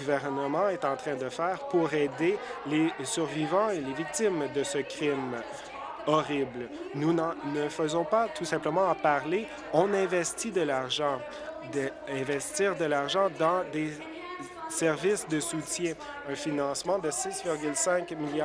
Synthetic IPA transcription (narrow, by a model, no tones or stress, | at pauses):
ɡuvɛʁnəmɑ̃ɛt̪ɑ̃t̪χɛ̃d̪əfɛːʁpuʁɛːd̪elesyʁvivɑ̃elevik̚t̪imd̪əsəkʲχim | ɔʁibl | nunɑ̃nəfəzɔ̃pat̪usɛ̃pləmɑ̃paʁle | ɔ̃nɛ̃vɛst̪id̪əlaʁʒɑ̃ | d̪ə | ɛ̃vɛst̪iːʁd̪əlaʁʒɑ̃d̪ɑ̃d̪e | sɛʁvisd̪əsut̪jɛ̃ | ɛ̃finɑ̃smɑ̃d̪əsisvɪʁɡʲylsɛ̃kmilj